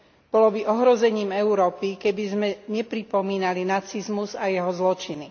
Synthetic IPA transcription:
b̥ɔlɔbiʔɔɦɾɔzɛɲiːmɛʊɾɔːpikɛbizmɛɲɛpɾipɔmiːnalinat͡sizmuzajɛɦɔzlɔt͡ʃini

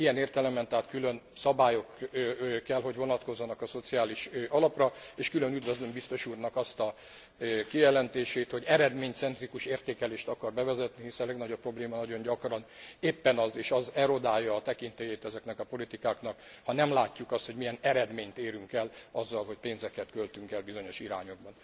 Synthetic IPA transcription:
ijɛneːrt̪ɛlɛmɛnt̪ɛɦaːt̪kylønsɒbaːjo̞k | kːɛlɦo̞ɟʋo̞nɒt̪ko̞zːɒnɒkɒso̞t̪sijaːliʃʔɒlɒprɒeːʃkylø̞nyd̪ʋøzlømbist̪o̞ʃuːrnɒkɒst̪ɒ | kijɛlɛnt̪eːʃeːt̪ho̞ɟɛɾɛd̪meːɲt̪sɛnt̪rikuʃeːrt̪eːkɛleːʃt̪ɒkɒrbɛvɛzɛt̪niɦisɛlɛɡnɒɟopːro̞bleːmɒnɒɟo̞ɲɟɒkrɒneːpːɛnɒzeːʃɒzɛɾo̞d̪aːjːɒːt̪ɛkint̪ejeːt̪ɛzɛknɛkɒpo̞lit̪ikaːknɒkhɒnɛmlaːcːukɒst̪ho̞ɟmijɛnɛɾɛd̪meːɲt̪eːɾyŋkɛlɒzːɒlɦo̞cpeːnzɛkɛt̪kølt̪yŋkɛlbizo̞ɲo̞ʃiɾaːɲo̞ɡ̚bɒn

